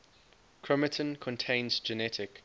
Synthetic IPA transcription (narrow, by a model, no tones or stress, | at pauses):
kʰɹ̥ɛmətʰə̃nkʰɔ̃ntʰẽɪ̃nzd͡ʒɛnɛtʰɪk